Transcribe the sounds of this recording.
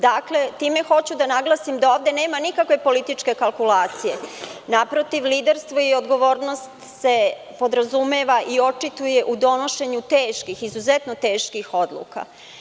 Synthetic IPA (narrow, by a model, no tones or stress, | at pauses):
d̪akle̞t̪iːme̞xo̞t͡ɕud̪anaɡlˠasimd̪aoːʋd̪e̞ne̞ːmanikakʋe̞po̞lit̪it͡ʂke̞kalˠkulaːt̪sije̞napɾot̪iʋliːd̪eɾst̪ʋo̞io̞d̪ɡo̞ʋo̞ːɾno̞st̪se̞ | po̞d̪ɾazumeːʋaʔio̞t͡ʂit̪uje̞ʔud̪o̞no̞ʃe̞ɲut̪eːʃkixizuzɛt̪not̪e̞ːʃkixod̪lˠṵka̰